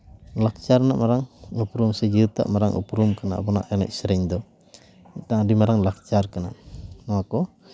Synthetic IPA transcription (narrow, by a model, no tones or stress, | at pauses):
lak̚t͡ʃarna̰ʔmaɾaŋupɾumsad͡ʒit̪a̰ʔmaɾaŋʔṵpɾumkəna̰ʔbɔna̰ʔana̰ʔisɾɛɲd̪ɔ | t̪aadimaɾaŋlak̚t͡ʃarkənanaakɔ